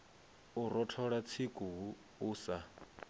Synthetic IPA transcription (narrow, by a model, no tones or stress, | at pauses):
uɾɔtʰɔɺat͡sʰikʼuɦu | uːsa